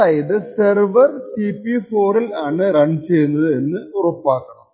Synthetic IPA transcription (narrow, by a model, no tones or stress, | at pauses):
aːjiðɨserʋɐrsipːifoːɾɐlaːɳɨɾɐɳt͡ɕe̞jːunːɐðɨenːɨurɐpːaːkːɐɳɐm